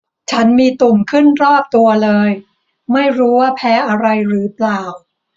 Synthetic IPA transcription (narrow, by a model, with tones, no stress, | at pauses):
t͡ɕʰa˦˥nmiː˧t̪u˨˩ŋkʰɯ˥˩nɾɔː˥˩p̚t̪u˧ɐlɤː˧j | ma˥˩jɾuː˦˥waː˥˩pʰɛː˦˥ʔa˧ɾa˧jɾɯː˩˦plaː˨˩w